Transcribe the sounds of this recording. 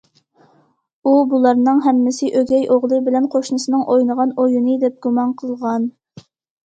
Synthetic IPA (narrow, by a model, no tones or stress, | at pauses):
ubulˠɑɾnɨŋɦɛmːɪsɪʔøɡʲɛjʔoʁlˠɨbɪlɛnqʰoʃnɨsɨnɨŋʔojnəʁɑnojunɨd̪ɛp̚ɡ̥umɑnqʰəlˠʁɑn